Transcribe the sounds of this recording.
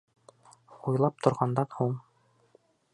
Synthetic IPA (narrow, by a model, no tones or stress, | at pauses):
ujlˠɑp̚t̪ŏɾʁɑnd̪ɑnhuɴ